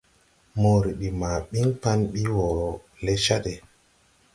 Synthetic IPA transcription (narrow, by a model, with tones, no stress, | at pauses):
mo˨ɾi˨ɗi˨ma˨ɓi˦ŋpa˦nɓi˦wɔ˨ | le˦ʃa˦ɗe˨